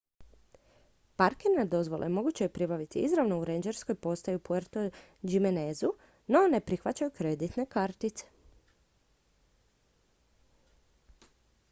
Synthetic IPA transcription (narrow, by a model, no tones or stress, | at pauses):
paɾkenad̪o̞zʋo̞lˠʔemo̞ɡut͡ɕejepɾibaʋit̪iizɾaʋno̞uɾeɲd͡ʒeɾsko̞jpo̞st̪ajupueɾt̪o | d͡ʒimenezu | no̞ne̞pɾixʋat͡ɕajukɾe̞d̪it̪ne̞kaɾt̪it̪se̥